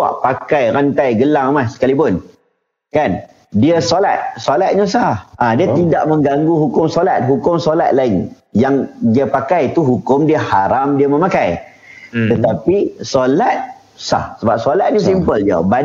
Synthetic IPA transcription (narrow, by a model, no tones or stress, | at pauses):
a̰ʔpakajɾant̪ajɡəlaŋmahsə̥kalipʊn | kan | diəsola̰t̪̚solat̪̚ɲəsahʔadiət̪ida̰ʔmə̃ŋɡaŋɡuɦukʊmsolat̪̚ɦukʊmsola̰t̪̚laɪn | jaŋdiəpakajt̪uɦukʊmdiəhaɾamdiəmə̃makaj | t̪ət̪apisolat̪̚ | sa̰hsəbap̚solat̪̚ɲasimpəld͡ʒə̰ba